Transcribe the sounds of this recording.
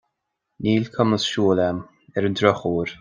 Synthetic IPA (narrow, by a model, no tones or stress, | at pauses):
niːlʲkʰəməsʃuːlɛm | ɛɾəndɾɔxuːɹ